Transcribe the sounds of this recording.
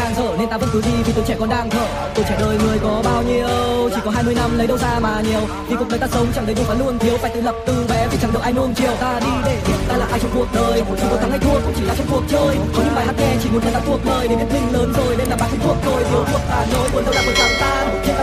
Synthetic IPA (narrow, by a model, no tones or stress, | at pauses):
aːŋzə̰ːnent̪aːvənk̪ɨjzivit̪ot͡ɕɛkɔnɗaːŋzʰə̰ː | t̪ojt͡ɕɛɗəːjŋɨəjkɔɓaːwɲiəəwt͡ɕikɔɦaːjmɨəjnamləjɗəwzaːmaːɲiəw̪ʰikunət̪aːsəwŋ͡mt͡ɕaŋɗəjzʊŋ͡m̪aːluənt̪ʰiəwfa̰ːjt̪ɨ̰ləp̚t̪ɨvɛvit͡ɕaŋɗɨ̰kʔajnuənt͡ɕiəwt̪aːɗiɗeḭt̪aːla̰ːʔaːjt͡ɕɔŋ͡mkuək̚ɗəːjt͡ɕʰiknt̪ʰaŋhajt̪ʰuəkːʊ̰ŋ͡mt͡ɕilaːt͡ɕɔŋ͡mkuək̚t͡ɕəːjkɔɲɨ̰vaːjhaːt̚ŋɛt͡ɕḭmut̚naːaːt̪ʰuək̚ɗəːjɗevit̚lïŋ̟ləːnzojɗemlaːmaːkʰŋt̪uək̚zʰojt̪ʰiəwkʰuək̚t̪aːzojmunzəwɗaːmot͡ɕamt̪aː | i